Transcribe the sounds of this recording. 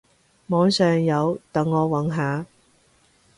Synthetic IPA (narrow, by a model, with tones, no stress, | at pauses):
mɔː˨˥ŋsœː˨ŋjɐ˨˧wt̪ɐ˨ŋːɔː˨˧wɐ˨˥nɦaː˨˧